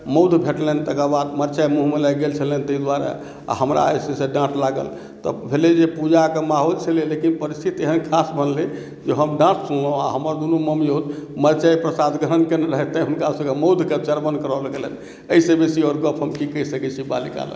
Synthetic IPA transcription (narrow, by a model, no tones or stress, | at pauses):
məwd̪ʱbʱeʈlɛnt̪əkabad̪məɾt͡ʃajmuɦumelajɡelt͡ʃʰəlent̪əid̪waɾḛ | a̰ɦəmɾa̰əseseɖãʈʰlaɡə̰l | t̪ɔ̰bʱeled͡ʒepud͡ʒakemaɦolt͡ʃʰəlelekinpəɾist̪ʰit̪eɦənkʰasbʱənle | d͡ʒeɦəmɖãʈʰsʰunlə̃a̰ɦəməɾd̪unuməmjod̪məɾt͡ʃajpɾəsad̪ɡəɾənkeneɾəɦɛt̪ːə̃ɦunkasəɡeməwd̪ʱket͡ʃəɾbənkəɾəlɡelḛn | əisebesiɔɾɡəpʰɦəmkikəisəkɛt͡ʃʰiba̰lika̰lə̰